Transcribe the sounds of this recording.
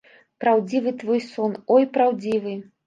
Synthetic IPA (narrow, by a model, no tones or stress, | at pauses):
pɾawd͡zʲivɨt̪vɔjsɔnɔjpɾawd͡zʲivɨ